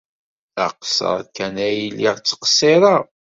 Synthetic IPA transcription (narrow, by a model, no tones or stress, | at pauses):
æ̰qsə̰ɾˤkænæjilːiʁt͡sːə̥qseɾˤɑ